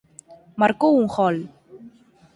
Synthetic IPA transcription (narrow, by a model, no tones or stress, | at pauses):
maɾkouŋxɔl